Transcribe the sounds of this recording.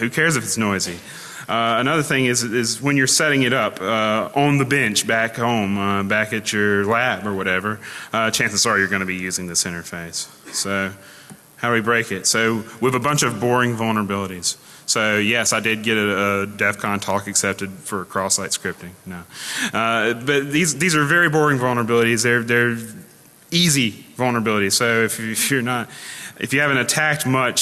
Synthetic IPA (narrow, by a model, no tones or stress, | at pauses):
hʉkʰɛɹzɨfɨtsnɔɪzi | ʔʌənʌðə˞θɪ̃ŋɨzɪzwə̃njə˞sɛɾɪ̃ŋɨɾʌpʌ̃n̩ðɨbɛ̃nt͡ʃb̥ækhõʊ̃mʌbækɨt͡ʃə˞læbə˞wʌɾɛvə˞ʌt͡ʃʰæ̃nsɨz̥sɔɹijə˞ɡʌñɨbijʉzɪ̃ŋðɪsɪ̃ɾ̃ə˞feɪs | soʊ | haʊwibɹeɪkɪtsoʊwɨðəbʌ̃nt͡ʃʌvbɔɹɪ̃ŋvʌlˠnə˞əbɪlˠəɾiz̥ | soʊjɛsaɪdɨd̚ɡɛɾɨədɛfkʰɑ̃ntʰɔkɨksɛp̚tɨd̥fə˞kʰɹ̥ɔslaɪtskɹ̥ɪp̚tɪ̃ŋnoʊʌb̥ʌt̪̚ðizðizə˞vɛɹibɔɹɪ̃ŋvʌlˠnə˞əbɪlˠəɾizðə˞ðə˞ | izivʌlˠnə˞əbɪlˠəɾiz̥soʊɨfɪfjə˞nət̚ɨ̰fjɨhævɨ̃ntɨtʰæk̚t̚mʌt͡ʃ